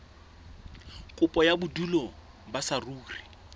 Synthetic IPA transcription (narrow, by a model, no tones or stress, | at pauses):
kʼʊpʼɔjabʊdulɔ | basaruːri